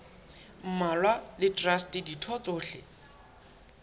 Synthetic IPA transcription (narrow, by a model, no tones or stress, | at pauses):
m̩malwalɪtʼrastʼɪditʰɔt͡sʼʊːɬɪ